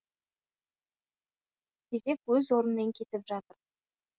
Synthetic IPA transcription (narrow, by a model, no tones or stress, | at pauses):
d̪ʲʰe̞ze̞kwɵzwo̞ɾənmeŋkʲʰe̞t̪ɪpʒɑt̪əɾ